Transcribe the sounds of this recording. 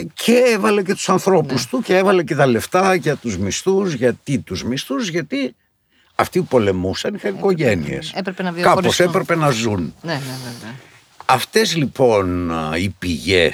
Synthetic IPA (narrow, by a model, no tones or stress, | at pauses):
cʰeevɐle̞ce̞t̪u̥sɐnθɾo̞pust̪uceevɐle̞ce̞t̪ɐle̞ft̪ɐʝɐt̪uzmist̪uzʝɐt̪it̪uzmist̪uzʝɐt̪i | ɐft̪iupo̞le̞musɐnixɐniko̞ʝenḭḛsepɾepenɐvikɐposepɾe̞pe̞nɐzunne | ɐft̪e̞zlipo̞nipiʝe